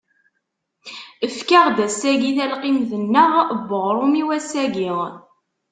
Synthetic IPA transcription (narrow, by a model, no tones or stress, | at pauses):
əfkaʁd̪æsæʝiθælqimðənːəʁbːəʁɾˤumiwæsæɡiʁ